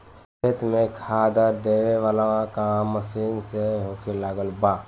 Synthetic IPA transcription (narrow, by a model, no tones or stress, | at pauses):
t͡ʃʰet̪mẽkʰaːd̪əɾd̪eːʋeʋaːlaãkãməsiːnseɦokʰelaːɡəlbaː